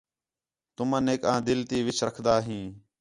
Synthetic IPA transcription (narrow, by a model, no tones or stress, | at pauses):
t̪ʊmãːneːkãːd̪ɪlt̪iːʋɪt͡ʃʰɾəkʰd̪aːɦĩː